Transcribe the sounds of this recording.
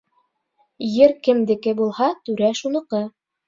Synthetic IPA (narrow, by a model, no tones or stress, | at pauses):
jɘɾkɘ̆md̪ɘ̆kɘbulˠhɑt̪ʉɾæʃunɤ̆qɤ